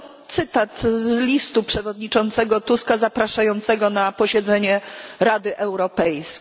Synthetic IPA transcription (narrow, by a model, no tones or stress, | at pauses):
tt̪sɘt̪at̪zlʲist̪upʂɛvɔd̪ɲit͡ʂɔnt̪sɛɡɔt̪uskazapɾaʂajɔnt̪sɛɡɔnapɔɕɛd̪zɛɲɛɾad̪ɘʔɛwɾɔpɛjsʲ